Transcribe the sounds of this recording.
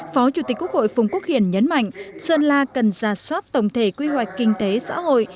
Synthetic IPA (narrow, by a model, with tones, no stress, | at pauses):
fɔ˨˦t͡ɕu˨˧˩t̪i˨˩k̟kːu˦˥ək̚ho̰˧˨jfʊ˨˩ŋ͡mku˦˥ək̚hḭ˧˨ənɲə˨˦nma̰˧˨jŋ̟səː˧nlaː˧kə˨˩nzaː˨˩swaː˦˥t̚t̪ə˨˩wŋ͡mt̪ʰe˧˩kwi˧hwa˨˩jk̟kï˧ŋ̟t̪e˨˦sa̰ː˧˥ho̰˧˨j